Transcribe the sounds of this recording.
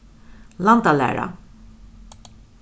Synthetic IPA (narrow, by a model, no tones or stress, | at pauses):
lant̪alæ̰ːɾa̰